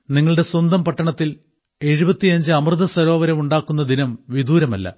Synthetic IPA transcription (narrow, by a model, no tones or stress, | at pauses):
niŋːɐɭɽe̞swɐnd̪ɐmpɐʈːɐɳɐt̪ːil | e̞ɻubɐt̪ːijɐɲd͡ʑɨɐmrɨðɐsɐɾo̞ːʋɐɾɐmuɳɖaːkːunːɐd̪inɐmʋid̪uːɾɐmɐlːɐ̰